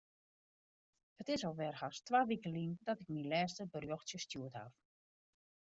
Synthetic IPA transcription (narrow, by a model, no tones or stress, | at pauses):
hətɪsɔlˠʋɛrhastʋaːʋikəlindɔtɪk̚milɛːstəbərjoxsjəstjuətha̰f